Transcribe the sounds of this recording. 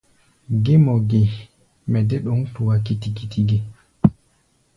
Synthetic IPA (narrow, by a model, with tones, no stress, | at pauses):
ɡi˦mɔ˨ɡi˨ | mɛ˨dɛ˦ɗu˨ntu˨wa˨ki˦ti˨ti˨ti˦ɡi˨